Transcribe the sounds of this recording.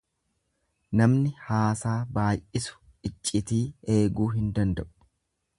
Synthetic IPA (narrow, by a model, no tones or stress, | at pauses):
nɐmnɪhaːsaːbaːjʔɪsʊ̥ | ɪt͡ʃʼːɪt̪iːe̞ːɡuːɦɪnd̪ɐnd̪ɐʔʊ̥